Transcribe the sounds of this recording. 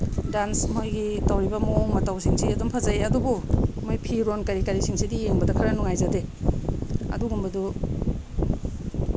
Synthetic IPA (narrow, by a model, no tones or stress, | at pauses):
dansmojɡitawɾibɐmooŋmɐtawsiŋsiɐdumpʰɐzɐjɐdubumojpʰiɾonkaɾikaɾisiŋsidieŋbɐdɐkʰɐɾɐnuŋajzade | ɐ̰duɡumbɐdu